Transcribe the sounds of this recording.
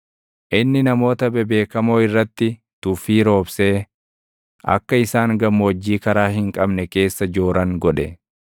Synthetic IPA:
ʔɪnːɪnɐmo̞ːt̪ɐbɛbe̞ːkɐmoːɪrːɐt̪ːɪ | t̪ʊfiːɾo̞ːbse̞ː | ʔɐ̰kːɐɪsaːŋɡɐmːwɐd͡ʒːiːkɐɾaːɦɪŋkʼɐbnɛke̞ːsːɐd͡ʒo̞ːɾɐŋɡɔᶑɛ

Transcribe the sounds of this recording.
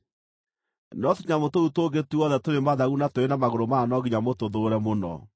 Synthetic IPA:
nɔtuɲamotoutoɡetuɔðɛtoɾemaðaɣunatoɾenamaɣoɾomaːnɔɡiɲamotoðoɾɛmonɔ̰

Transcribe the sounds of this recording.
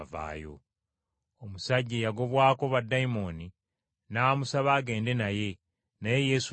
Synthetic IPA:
va̰ːjo̞̰ | omusaɟːejaɡo̞βwaːko̞βadːaimo̞ːni | naːmusaβaːɡe̞ːnde̞naje̞ | naje̞je̞su

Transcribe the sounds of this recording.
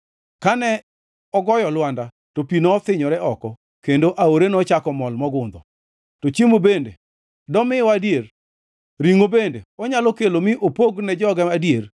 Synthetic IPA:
kanɛ | ɔɡɔjɔlwanda | topinɔːt̪ɪɲɔɾɛɔkɔ | kendoʔaoɾenɔt͡ʃakɔmɔlmɔɡʊnd̪ɔ̰ | tot͡ʃemobende | dɔmɪwadjer | ɾiŋobendeɔɲalɔkelomɪʔopoɡnɛd͡ʒɔɡɛadijer

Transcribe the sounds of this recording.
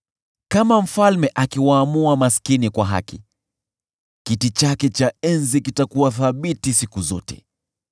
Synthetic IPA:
kamam̩falmɛʔakiwaːmuamaskinikwaɦa̰kḭ | kitit͡ʃakɛt͡ʃaɛnzikitakuwaθaɓitisikuzɔtɛ̥̰

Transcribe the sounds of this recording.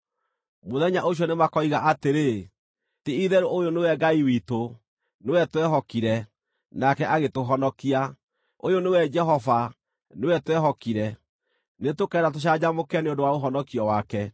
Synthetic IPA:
moðɛɲaʔoɕ̬jɔnemakɔiɣaʔateɾe | teiðɛɾoʔojonewɛɡaiwito | newɛtwɛɦɔkiɾɛ | nakɛʔaɣetoɦɔnɔkia | ojonewɛd͡ʒɛɦɔva | newɛtwɛɦɔkiɾɛ | netokɛːɾatoɕ̬ad͡ʑamokɛneondowaoɦɔnɔkiɔwakɛ

